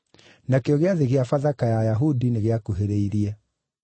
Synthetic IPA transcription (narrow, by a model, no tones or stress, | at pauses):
nakeɔɣeaðeɣeafaðakajajaɦudineɣeakoɦeɾeiɾiɛ